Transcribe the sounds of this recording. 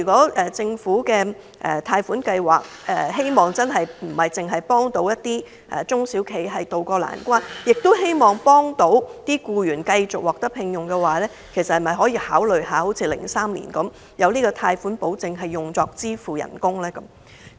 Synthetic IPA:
y˨˩kʷɔː˨˥ʔɛː˨t͡sɪ˧ŋfuː˨˥kɛː˧ | ʔɛ̰ː˨˩t̪ʰaː˧jfuː˨˥nkɐ˧jwa̰ː˨k̚ʔɛː˨˩he˥jmɔː˨ŋt͡sɐ˥nɦɐ˨jm̩˨˩hɐ˨˩jt͡sɪ˨ŋɦɐ˨jpɔː˥ŋt̪o˨˥wjɐ˥t̪ːiː˥ | ʔɛ̰ː˨˩t͡sʊ˥ŋsi˨˥wkʰe˨˥jɦɐ˨jt̪o˨wkɔː˧la̰ː˨˩nkʷwaː˥njɪ˨k̚t̪o˥ɦe˥jmɔː˨ŋpɔː˥ŋt̪o˧˥wt̪iː˥kuː˧jyː˨˩nkɐ˧jt͡sʊ˨k̚wɔː˨k̚t̪ɐ˥pʰɪ˧ŋjʊ˨ŋkɛː˧waː˨˥lɛː˥ | kʰe˨˩jsɐt̚hɐ˨˩mɐ˨˩jɦɔː˨˥jiː˧haː˨˥wlɵ˨ɥhaː˨˧ho˨˧˥wt͡sʰiː˧lɪ˨˩ŋsaː˥mlḭ˨˩nkɐ˨˥m | jɐ˨˧wniː˥kɔː˧t̪ʰaː˧jfuː˨˥npo˨˧˥wt͡sɪ˨ŋɦɐ˨jːʊ˨˩ŋt͡sɔː˨k̚t͡siː˥fuː˨jɐ̰˨˩nkʊ˥ŋlɛː˥kɐ˨˦m

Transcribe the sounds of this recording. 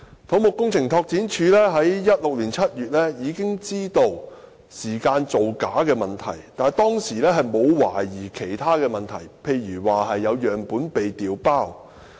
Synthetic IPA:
t̪ʰo˨˥wmʊ˨kːʊ˥ŋt͡sʰɪ˨˩ŋt̪ʰɔː˧k̚t͡siː˨˥nt͡ʃʰyː˨˧lɛː˥ɦɐ˨˥jːɐ˥t̚lʊ˨k̚liː˨˩nt͡sʰɐ˥t̚jyː˨t̚lɛː˥jiː˨˧kɪ˥ŋt͡siː˥t̪o˧w | siː˨˩kaː˧nt͡so˨wkaː˨˥kɛː˧mɐ˨˩nt̪ʰɐ̰˨˩jt̪aː˨˩nt̪ɔː˥ŋsiː˨˩lɛː˥ɦɐ˨jmo˨˧wwaː˨˩jiː˨˩kʰe˨˩jt̪ʰaː˥kɛː˧mɐ˨nt̪ʰɐ˨˩jpʰe˧jɥyː˨˩waː˨ɦɐ˨jːɐ˨˧wjœː˨˩ŋpuː˨˥npe˨jt̪iː˨wpaː˥˩w

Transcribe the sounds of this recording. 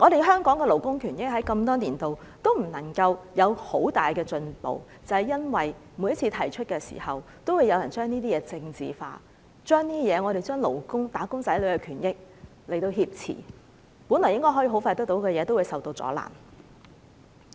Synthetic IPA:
ŋɔː˨˧ɾe˨jɦœː˥ŋkɔː˨˥ŋkɛ˧lo˨˩wkʊ˥ŋkʰyː˨˩njɪ˥k̚hɐ˨˥jkɐ˧mt̪ɔː˥niː˨˩nt̪o˨w | t̪o˥wm̩˨˩nɐ˨˩ŋkɐ˧wjɐ˨˧who˨˥wt̪aː˨jkɛː˧t͡ʃɵ˧npo̰˨w | t͡sɐ˨hɐ˨jɐ˥nwɐ˨j | mu˨˧jɐ˥tt͡sʰiː˧t̪ʰɐ˨˩jt͡ʃʰɵ˥t̚kɛː˧sḭː˨˩hɐ˨w | t̪o˥wu˨˧jɐ˨wjɐ˨˩nt͡ʃœː˥ŋniː˥t̪iː˥jɛː˨˧t͡sɪ˧ŋt͡sḭː˨fa̰ː˧ | t͡ʃœː˥ŋniː˥jɛː˨˧ŋɔː˨˧ɾe˨jt͡ʃœː˥ŋlo̰˨˩wkʊ˥ŋt̪aː˨˥kʊ˥ŋt͡sɐ˨˥jlɵ˨˧ɥkɛ˧kʰyː˨˩njɪ˥k̚ | le˨˩jt̪o˧hiː˧p̚t͡sʰḭː˨˩ | pu˨˥nlɔː˨˩jɪ˥ŋkɔ˥jɦɔ˨˥iː˧˥ɦo˨˥wfaː˧jt̪ɐ˥k̚t̪o˨˥wkɛː˧jɛː˨˧t̪o˥wu˨˧jsɐ˨wt̪o˧wt͡sɔ̰ː˨˥la̰ː˨˩n

